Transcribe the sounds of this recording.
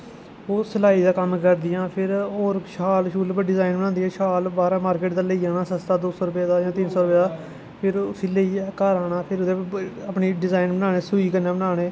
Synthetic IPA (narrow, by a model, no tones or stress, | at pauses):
oːsəlaːiːd̪aːkəmkəɾd̪ɪjãːpʰɪɾoːɾʃaːlʃuːlpəɖɪzaːɪnbənãːnd̪iɛ̃ːʃaːlbaːɾãːmaːɾkeːʈd̪aːləiːaːnaːsəst̪aːd̪oːsɔːɾʊpjaːd̪aːjãːt̪ɪnsɔːɾʊpjaːd̪aː | pʰɪɾʊsiːləiːkaːɾaːnãːpʰɪɾʊd̪eːəpɳiːɖɪzaːinbənaːɽeːsuiːkəɾnãːbənaːɽ̃eː